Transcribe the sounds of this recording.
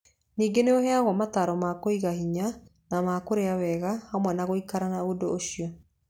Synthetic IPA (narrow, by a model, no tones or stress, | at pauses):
niːŋɡeneohɛaɣwɔmataɾɔmakoiɣahiɲa | namakoɾeawɛːɣahamwɛnaɣoikaɾanaodoːʃijɔ